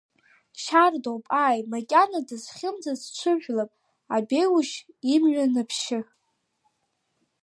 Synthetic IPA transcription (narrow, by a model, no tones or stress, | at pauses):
ʃardowpʼaːjmakʲʼanadɨzχʲɪmd͡zazt͡ʃʷʰɨʒᶣʷlapʼ | abejwuʃ | imɥʷᶣanɨpʰʃɪ